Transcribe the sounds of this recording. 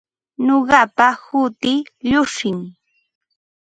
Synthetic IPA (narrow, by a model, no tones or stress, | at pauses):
noɢɑpahʊt̪ɪʎʊʃɪŋ